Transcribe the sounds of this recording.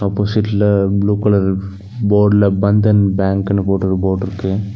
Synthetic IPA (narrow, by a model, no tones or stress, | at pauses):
ɐpːoːsɪʈːlɐbluːkɐɭɐɾ | boːɖlɐbɐnd̪ɐnbaːŋkɐnːɐpoːʈːɐɾɯboːɖɪɾɯkːɯ